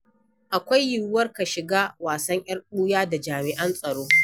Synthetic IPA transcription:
ʔa˨kʷa˦jːʊ˦˨˦wɐ˦rka˨ʃɪ˨ɡaː˦waː˨sɐ˦ɲʔj̰ɐ˦ɽɗuː˦jaː˦da˨d͡ʒaː˨mɪ˨ʔɐ˦nsʼɐ˨ɽoː˦

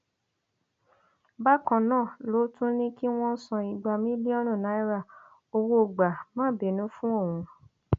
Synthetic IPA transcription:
ba˦kã˧nãː˦˨lo˨˦tũ˦nĩ˦ki˦w̃ɔ̃˦sɔ̃˧i˧ɡ͡ba˧mĩ˦bi˦ɔ˦ɾ̃ũ˦˨na˨˦i˦ɾa˦˨ | o˧wo˦˨ɡ͡ba˨mãː˦˨be˨nũ˨˦fũ˦o˦˨w̃ũ˧

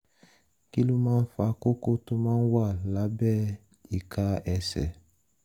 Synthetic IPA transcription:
ki˦lu˦mãː˦n̩˦fa˧ko˦ko˦to˦mãː˦n̩˦wa˦˨la˨˦bɛ˦ | i˨ka˧˦ɛ˧sɛ̰˨

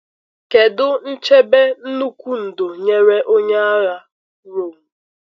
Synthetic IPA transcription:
ke˨dʊ˦n̩˦t͡ʃe˦be˦n̩˦nu˦kʷu˦n̩˨do˨ɲe˦ɾe˦ʔo˦ɲe˦a˦ɣa˦ | ɾo˨m˨

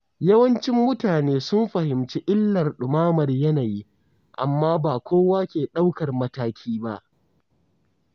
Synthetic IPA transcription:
jɐ˦wɐ˦nt͡ʃɪ˦mːʊ˦taː˨neː˦sʊ˦mɸɐ˨hɪ˨mt͡ʃi˦ʔɪ˦lːɐ˨rɗʊ˨maː˦mɐ˨rjɐ˦naː˨jiː˦ | ʔa̰˨mːaː˦baː˨kʷoː˦waː˦kʲeː˨ɗa˦wkɐ˨rmɐ˦taː˦kʲʰiː˦ba˦ʔ

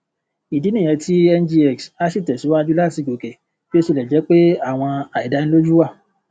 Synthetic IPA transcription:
i˨di˨˦nĩ˦˨ɛ̃˧tʰi˦ɛ˧nd͡ʒi˧ɛ˨ksa˦si˦˨tɛ˨si˨˦wa˦d͡ʒu˦la˦˨ti˨˧˨ɡo˨kɛ˨ | bi˦o˦su˦˧lɛ˨d͡ʒɛ˨˦k͡pe˦a˦˨w̃ɔ̃˧a˨i˨da˨˦n̩ĩ˦lo˦d͡ʒu˦wa˦˨

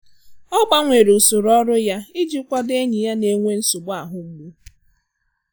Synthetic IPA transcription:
ɔ˦ɡ͡ba˦ŋʷe˨ɾe˨ʊ˨sʊ˨ɾɔ˦ɾʊ˦ja˦ɪ˦d͡ʒi˦kʷɔ˦de˦ɲi˨ja˦ne˨ŋʷe˦n̩˦sʊ˨bʊ˦a˨ɦʊ˨m̩˦ɡ͡bu˦

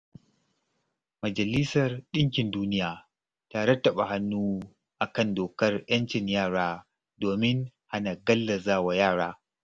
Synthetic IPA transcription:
mɐ˨d͡ʒɐ˨lɪ˦sɐ˨rɗɪ˦ŋk̬ʲɪ˨nduː˦nɪ˦jaː˨ | ta˦ɽɐ˦tːɐ˨ɓa˨ha˦nːuː˦ | ʔa˨kɐ˦˨ndoː˨kɐ˦rj̰ɐ˦nt͡ʃɪ˨ɲjaː˦˨ɽaː˦ | doː˨mɪ˦nha˦na˨ɡɐ˦lːɐ˨zaː˦˨wa˨jaː˦˨ɽaː˦

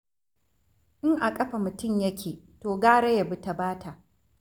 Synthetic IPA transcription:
ʔɪ˦ŋʔa˨kʼɐ˦ɸa˨mʊ˨tʊ˦˨mjɐ˦kʲʰeː˨ | toː˨ɡaː˦ɽe˦ja˨bʊ˦ta˨baː˦tʰa˨ʔ

